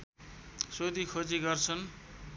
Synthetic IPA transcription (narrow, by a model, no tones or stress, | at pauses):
sod̪ikʰod͡ziɡʌrt͡sʰʌn